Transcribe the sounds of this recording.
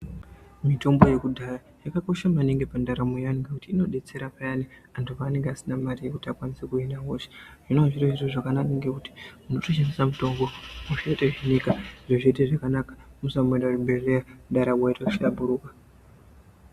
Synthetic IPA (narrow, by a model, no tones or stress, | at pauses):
mito̞mbo̞je̞kudʱara | jakako̞ʃamaneŋɡe̞pandaɾamujanɡakutiːno̞ɗe̞t͡se̞ɾapajaniantʰupaːne̞ŋɡeasinamarijekutiakwanisekuinawoʃe̥ʐ̥inoaʐiroʐiroʐakananeŋɡekuti̥muno̞toʃanisamuto̞mbo̞muʃaiteʐinikaiʐoʐeteʐakanakḁmusamendarumbelejaɗaɾaɡwaitauʃabuɾuːkḁ